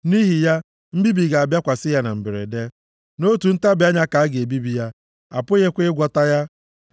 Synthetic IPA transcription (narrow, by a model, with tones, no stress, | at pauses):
ni˦ɦi˨ja˦ | m̩˦bi˦bi˨ɡa˨a˨bja˦kʷa˨sɪ˦ja˦na˨m̩˨bɪ˨ɾḛ˨de˦ | no˦tu˨n̩˦ta˦bɪ˨˦a˦ɲa˦ka˨a˦ɡe˨bi˦bi˨ja˦ | a˨pʊ˦ɣe˦kʷe˦ɪ˦ɡʷɔ˦ta˦ja˦